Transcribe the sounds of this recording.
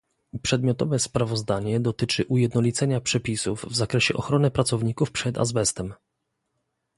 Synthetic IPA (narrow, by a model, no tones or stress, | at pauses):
pʂɛd̪mjɔt̪ɔvɛspɾavɔzd̪aɲɛd̪ɔt̪ɘt͡ʂɘʔujɛd̪nɔlʲit̪sɛɲapʂɛpʲisuvːzakɾɛɕɛʔɔxɾɔnɘpɾat̪sɔvɲikufpʂɛd̪a̰zbɛst̪ɛm